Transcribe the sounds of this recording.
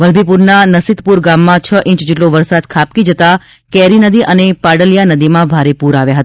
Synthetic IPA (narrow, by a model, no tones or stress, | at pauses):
ʋəlbʱipuɾnanəsit̪puɾɡamːãt͡ʃʰəʔĩt͡ʃd͡ʒeʈloʋəɾsad̪kʰap̚kid͡ʒət̪a | kɛɾinəd̪iʔənepaɽəljanəd̪imãbʱaɾepuɾaʋjaɦət̪a